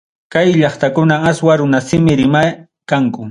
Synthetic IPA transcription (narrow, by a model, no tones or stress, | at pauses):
kajʎɑχt̪akʊnaaswaɾʊnasɪmɪɾɪmaj | kaŋkʊ